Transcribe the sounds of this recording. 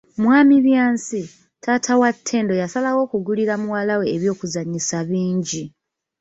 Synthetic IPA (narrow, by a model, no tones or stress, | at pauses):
mwaːmiβjaːnsi | tʰaːtʰawatʰːe̞ːndo̞jasalawo̞ːkuɡuliɾamuwalawe̞ːβjo̞ːkuzaɲisaβiːɲɟi